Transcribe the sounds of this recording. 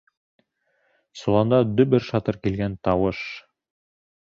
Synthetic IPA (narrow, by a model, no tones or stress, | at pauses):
sulˠɑnd̪ɑd̪ɵbɘɾʃɑt̪ɤɾkilɡænt̪ɑwɤʃ